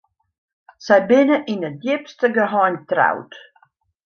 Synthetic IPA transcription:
sɛjbɪnəʔinədjɪpstəɡəɦɔːntra̰wt

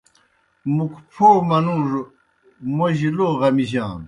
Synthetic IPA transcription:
mukʰpʰoːmɐnuːʐ | moʑiloːʁɐmiʑaːn

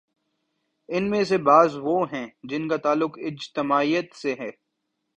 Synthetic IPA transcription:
ɪnmẽs̬ebaːzʋoɦɛ̃ːd͡ʒɪnkat̪aːlːʊkɪd͡ʒt̪ɪmaːijət̪seɦɛː

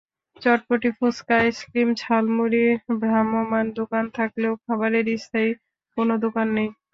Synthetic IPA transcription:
t͡ɕɔʈ̚poʈifuskaeskɾimt͡ɕʰalmuɾibɾamomand̪okant̪ʰakleokʰabaɾeɾist̪aj | konod̪okanːej

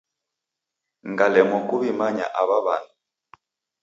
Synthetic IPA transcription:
ŋɡalɛmɔkuβimaɲa̰ʔaβaβa̰na

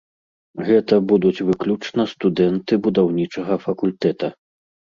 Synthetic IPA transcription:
ɣɛt̪ɐbud̪ut͡sʲvɨklʲut͡ʂnɐst̪ud̪ɛnt̪ɨbud̪awnʲit͡ʂɐɣɐfɐkulʲt̪ɛt̪ɐ

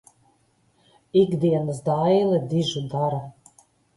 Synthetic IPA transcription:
ikd̪iɛnəsd̪ajlˠɛd̪iʒud̪aɾa

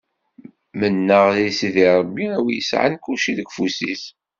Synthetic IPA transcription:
mənːəʁlisiðiɾˤəbːiæwijəsʕa̰nkulʃiðəɡfusiθ

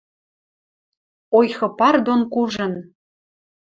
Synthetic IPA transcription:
ojxɤ̆pɑrd̪onkuʒɤ̆n

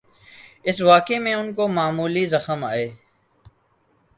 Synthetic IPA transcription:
ɪsʋaːkemẽʊnkomaːmuːlizɐxəma̰ːeː

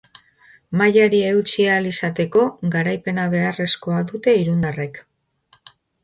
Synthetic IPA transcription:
majaɾie̞wt͡ʃialisat̪e̞ko̞ɣaɾajpe̞naβe̞are̞sko̞aðut̪e̞iɾund̪are̞k

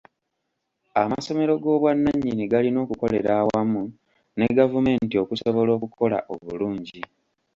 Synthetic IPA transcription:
a̰maso̞me̞ɾo̞ɡo̞ːβwanːaɲːiniɡalino̞ːkuko̞le̞ɾaːwamu | ne̞ɡavume̞ːntio̞kuso̞βo̞lo̞ːkukʰo̞la̰ʔo̞̰βuluːɲɟi

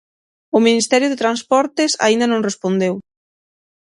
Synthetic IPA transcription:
ʊminist̪ɛɾjʊðet̪ɾanspɔɾt̪esa̰ind̪anõŋrespond̪ew

